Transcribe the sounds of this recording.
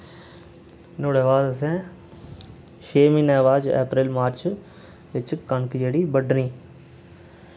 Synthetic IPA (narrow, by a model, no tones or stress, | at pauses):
noːɽeːʋaːd̪sɛ̃ː | ʃʰeːmĩːnɛːʋaːd͡ʒḛːpɾɪːlmaːɾt͡ʃ | ʋɪt͡ʃkənkd͡ʒeːɽiːbəɖnĩː